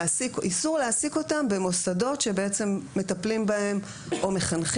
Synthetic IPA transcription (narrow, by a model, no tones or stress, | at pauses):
asikʔisuʁleasiko̞tambe̞mo̞sado̞tʃe̞beet͡se̞mːe̞taplimbae̞m | ʔo̞me̞χanχ